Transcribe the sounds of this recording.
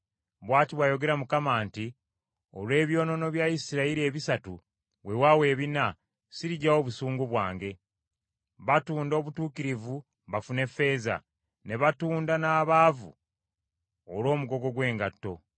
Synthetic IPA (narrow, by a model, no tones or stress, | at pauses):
βwaːtiβwajo̞ɡe̞ɾamukamaːnti | o̰lwe̞ːβjo̞ːno̞no̞βjaisiɾaiɾie̞βisatu | we̞wawe̞ːβina | siɾiɟawo̞βusuːŋɡuβwaːŋɡe̞ | βatuːndo̞ːβutuːkiɾivu | βafune̞fe̞ːza̰ | ne̞βatuːndanaːβaːvṵ | olo̞ːmuɡo̞ɡo̞ɡwe̞ːŋɡatːo̞